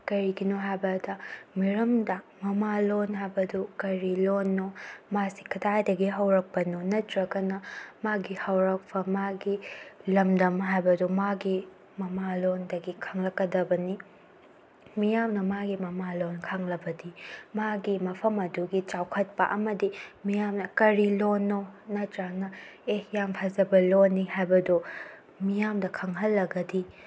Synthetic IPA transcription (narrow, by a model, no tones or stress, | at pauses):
kɐɾiɡinoɦajbɐdɐmiɾɐmdɐmɐmalonɦajbɐdukɐɾilonːomasi̥kʰɐtʰajdɐɡiɦɐwɾɐk̚pɐnonɐtʰɾɐkɐnɐmaɡihɐwɾɐk̚pʰɐmaɡilɐmdɐmɦajbɐdumaɡi | mɐmalondɐɡikʰɐŋlɐkːɐdɐbɐni | mijamnɐmaɡimɐmalonkʰɐŋlɐbɐdimaɡimɐpʰɐmɐduɡit͡ʃawkʰɐt̚pɐʔɐmɐdimijamnɐkɐɾilonːonɐtɾaŋnɐejampʰad͡ʒɐbɐlonːihajbɐdu | mijamdɐkʰɐŋɦɐlːɐɡɐdi